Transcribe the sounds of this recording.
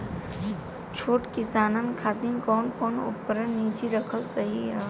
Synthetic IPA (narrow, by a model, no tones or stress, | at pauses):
t͡ʃʰoːʈkɪsaːnənkʰaːd̪inkɔːnkɔːnʊ̰pːəɾənːiːd͡ʒiɾəkʰəlsəɦiɦa